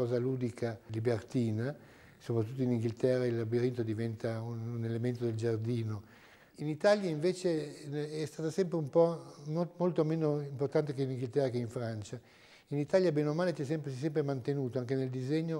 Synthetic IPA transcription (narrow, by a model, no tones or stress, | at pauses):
ɔːzaluːd̪ikʰalibert̪iːna | sopɾat̪̬ːut̪ːoiniŋɡilt̪ɛrːailːabiɾint̪od̪ivɛnt̪aununelement̪od̪eld͡ʒard̪iːno | init̪aːljaiɱveːt͡ʃeɛst̪aːt̪asɛmpɾeumpɔmomolt̪omeːnoimport̪ant̪̬ekeiniŋɡilt̪ɛrːakeiɱfɾant͡ʃa | init̪aːljabeːnomaːlet͡ʃ̪iɛsɛmpɾsɛs̬ɛmpɾemant̪enuːt̪oaŋkeneld̪izɛɲːo